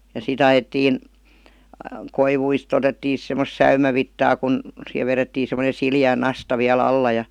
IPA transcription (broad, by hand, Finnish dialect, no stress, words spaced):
jɑ sit ɑjetːiːn koiʋuist otetːiː sis semːos sæymæʋitːɑː kun siheʋ ʋeretːiː semonen̞ siliæˑ nɑstɑ ʋiæl ɑlːɑ jɑ